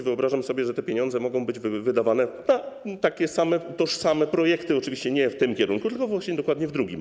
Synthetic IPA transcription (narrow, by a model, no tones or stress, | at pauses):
vɘɔbɾaʐamsɔbʲjɛʐɛt̪ɛpʲjeɲɔ̃nd̪zɛmɔɡɔ̃w̃bɘd͡ʑvɘvɘd̪avanɛnat̪akʲɛsamɛt̪ɔʂsamɛpɾɔjɛkt̪ɘɔt͡ʂɘvʲiɕt͡ɕɛɲɛft̪ɘmkʲɛɾuŋkut̪ɘlkɔvwaɕɲɛd̪ɔkwad̪ɲɛvd̪ɾuɡʲḭm